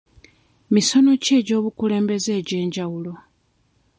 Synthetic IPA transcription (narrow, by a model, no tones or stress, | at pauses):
miso̞no̞ce̞ːɟo̞ːβukule̞ːmbe̞ze̞ːɟe̞ːɲɟawulo̞